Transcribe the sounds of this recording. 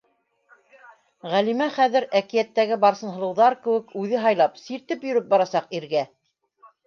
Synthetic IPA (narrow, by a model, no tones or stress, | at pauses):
ʁælimæχæðɘ̆ɾækijæt̪ːæɡɘbɑɾsɤ̆nɦɤ̆lˠɤ̆wðɑɾkɘ̆wɘkʉðɘɦɑjlˠɑpsiɾt̪ɘpjɵ̆ɾɘp̚bɑɾɑsɑqiɾɡæ